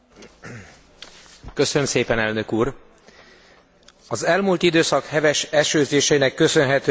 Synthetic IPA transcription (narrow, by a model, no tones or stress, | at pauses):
kø̞sønømseːpɛnɛlnø̞kuːr | ɒzɛlmuːlt̪id̪øːsɒkhɛvɛʃɛʃøːzeːʃɛjinɛkːø̞sø̞nɦɛt̪ː